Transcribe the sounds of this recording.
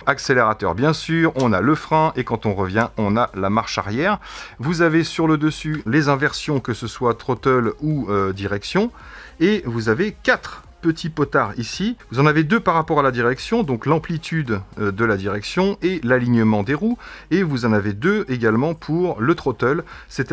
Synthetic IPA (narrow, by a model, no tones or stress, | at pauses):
akseleʁat̪œ̰ʁbjɛ̃syʁɔ̃na̰ləfχɛ̃ʔekɑ̃t̪ɔ̃ʁəvjɛ̃ɔ̃nalamaʁʃa̰ʁjɛʁvuzavesyʁləd̪əsylezɛ̃vɛʁsjɔ̃kəsəswat̪χot̪ɔluød̪iʁɛksjɔ̃ | evuzavekat̪χ | pət̪ʰipɔt̪aʁisivuzɑ̃naved̪øpaʁːapɔʁalad̪iʁɛksjɔ̃d̪ɔ̃klɑ̃plit̪ʰyd̪d̪əlad̪iʁɛksjɔ̃elaliɲəmɑ̃d̪eʁuevuzɑ̃naved̪øeɡalmɑ̃pʰuʁlət̪χot̪ɔlsɛt̪